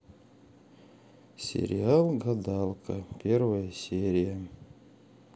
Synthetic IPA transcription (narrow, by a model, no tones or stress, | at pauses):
sʲḛɾʲɪ̰alˠɡɐd̪ɑlˠkʰəpʲʰervəjəsʲeɾʲɪjə